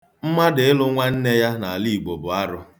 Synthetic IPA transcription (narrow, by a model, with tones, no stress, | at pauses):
m̩˦ma˦dɪ˨ɪ˦lʊ˦ŋʷa˦n̩˦ne˦ja˦na˨a˨li˦˨ɡ͡bo˨bʊ˨a˦ɾʊ˦